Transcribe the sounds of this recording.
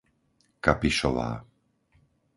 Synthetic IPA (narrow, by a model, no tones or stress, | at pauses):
kapiʃɔʋa̰ː